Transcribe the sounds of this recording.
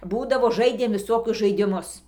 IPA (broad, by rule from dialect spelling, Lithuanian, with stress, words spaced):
ˈbuːdɐʋoː ˈʒɐɪdʲeːm ʋʲɪˈsoːkʲʊs ʒɐɪdʲɪˈmʊs